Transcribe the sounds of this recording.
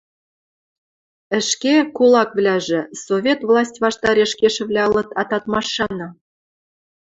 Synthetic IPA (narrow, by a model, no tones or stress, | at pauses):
ə̆ʃkekulˠɑkvlʲæʒɘ̆sovʲet̪vlˠɑsʲtʲvɑʃt̪ɑɾʲeʃkʲeʃɘ̆vlʲæɤlˠɤ̆t̪ɑt̪ɑt̪mɑʃːɑnɤ̆